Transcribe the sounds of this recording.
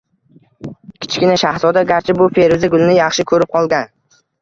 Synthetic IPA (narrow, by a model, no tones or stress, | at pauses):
kʲʰɪ̥t͡ʃʰkʲɪnaʃahzɒd̪aɡʲaɾt͡ʃʰɪbʊfe̞ɾɪzɪɡʊlˠnɪjɑχʃɪkʰɵɾɪp̚qʰɒlˠɡʲan